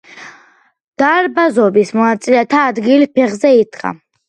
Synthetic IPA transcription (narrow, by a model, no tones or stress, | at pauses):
d̪̥aɾbazɔbismɔnat̪sʼilɛt̪ʰaːd̪ɡilipʰɛχzɛid̪kʼa̰